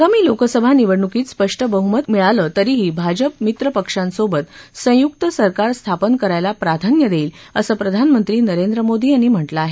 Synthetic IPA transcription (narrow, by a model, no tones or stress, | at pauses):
aɡamiːlokəsəbʱaniʋəɽɳukiːt̪spəʂʈʰəbəɦumət̪miɭaləːt̪əɾiːɦiːbʱad͡ʑəp̚mit̪ɾəpəkʂãnsobət̪sə̃juk̚t̪əsəɾkaɾst̪ʰapənkəɾajlapɾad̪ʱanjəd̪eiːl | ə̰səːpɾəd̪ʱanmənt̪ɾiːnəɾend̪ɾəmod̪iːañim̤əʈləaːɦe